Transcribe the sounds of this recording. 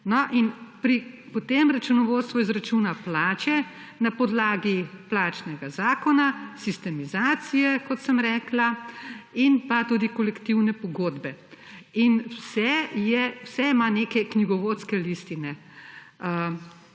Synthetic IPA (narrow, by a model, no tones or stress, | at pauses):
nɔʔinpɾi | pɔt̪emɾat͡ʃunɔʋoːt̪st̪ʋɔizɾat͡ʃunaplaːt͡ʃɛ | napɔd̪laːɡiplaːt͡ʃnɛɡazaːkɔnasist̪ɛmizaːt̪sijɛkɔt̪səmɾɛːkla | inpat̪ud̪ikɔlɛkt̪iwnɛpɔɡoːd̪bɛinwsɛjɛwsɛimanekɛkniɡɔʋoːt̪skɛlist̪inɛ | ə